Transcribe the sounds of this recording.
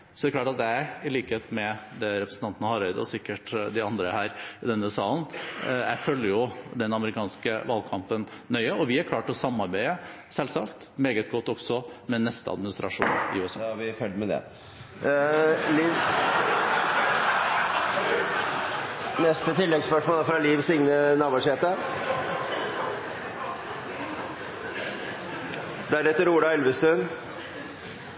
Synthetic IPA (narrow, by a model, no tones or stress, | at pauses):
sɔd̪ɛkʰlɑːʈɑt̪̚d̪ɛæɪliːkəheːt̪mɛd̪ɛɾɛpɾəsn̩t̪ɑnt̪ənəhɑɾɛɪd̪əɔ̰sɪkːəʈd̪ɪɑnd̪ɾəhæːɾɪd̪ɛnːʉəsɑːln̩jæ̰ɪfœlːəɾjʊd̪ɛnɑməɾɪkʰɑːnskəʋɑlkʰɑmpənːœʏəɔʋɪæɾkʰlɑːʈɔsɑmːɑɾbæɪə | sɛlsɑːkt̪meːɡət̪̚ɡɔt̪ːɔɡsɔmɛnɛst̪əɑ̰d̪mɪnɪst̪ɾɑʂṵːnɪ̰ʉːɛsɑ̰ʋɪfœləmɛd̪ɛ̰ | liː | nɛst̪ət̪ʰɪlːɛɡspœʂmoːləfɾɑliːʋsɪŋnənɑːboʂeːt̪ə | d̪ɛæɾɛt̪ːəɾuːɖɑɛlʋəst̪ʉn